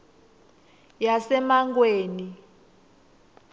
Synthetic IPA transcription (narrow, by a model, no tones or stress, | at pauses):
jasɛmaŋɡweːni